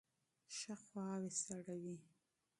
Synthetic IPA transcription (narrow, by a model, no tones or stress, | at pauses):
ʃaxwɑwesaɽawi